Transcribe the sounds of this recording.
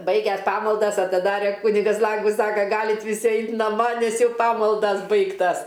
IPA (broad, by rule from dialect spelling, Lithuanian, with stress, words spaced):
ˈbɐɪɡʲɛs ˈpɑːmɐlˠdɐs ɐtʲɪˈdɑːrʲɛ ˈkʊnʲɪɡɐs ˈlˠɐŋɡʊs ˈsɑːkɐ ˈɡɑːlʲɪt ʋʲɪˈsʲɪ ˈɐɪt nɐˈmɐ nʲɛs ˈjɛʊ ˈpɑːmɐlˠdɐs ˈbɐɪktɐs